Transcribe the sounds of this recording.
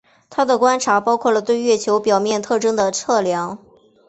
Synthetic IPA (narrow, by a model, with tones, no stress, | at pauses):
t̪ʰa˥d̪ə˨kwa˥nʈ͡ʂʰa˧˥pɑ˥ʊkʰwɔ˥˩lə˩t̪we˥˧ɪɥɛ˥˩t͡ɕʰjo˧˥ʊpjɑ˨˩ʊmjɛ˥˧nt̪ʰɤ˥˧ʈ͡ʂɤ˥ŋd̪ə˨t͡sʰɤ˥˩ljɑ˧˥ŋ